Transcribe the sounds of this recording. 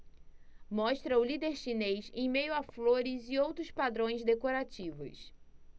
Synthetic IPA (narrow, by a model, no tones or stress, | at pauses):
mɔʃt̪ɾɐʊlid̪eɾʃinejzẽj̃mejʊafloɾɪziowt̪ɾʊspad̪ɾõj̃zd̪ekoɾat͡ʃivʊ̰s